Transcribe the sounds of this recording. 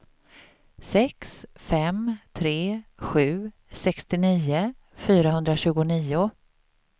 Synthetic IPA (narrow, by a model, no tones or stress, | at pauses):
sɛksfɛmt̪ʰɾeːɧʉ̟ː | sɛkst̪ɪniːʊ | fyːɾahɵnd̪ɾaɕʉ̟ːɡʊniːʊ